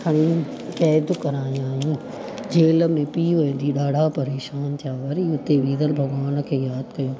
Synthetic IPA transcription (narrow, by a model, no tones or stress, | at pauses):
kʰɐɽ̃ĩ | kɛːd̪kɐɾaːĩaːjũː | d͡ʑeːlə̆mẽpiːʋɐĩn̆d̪iɗaːɖʱapɐɾeːʃaːnt̪ʰjaːʋɐɾiʊt̪eʋiːd̪əlbʱɐɡʋaːnə̆kʰeːjaːd̪kɐjũː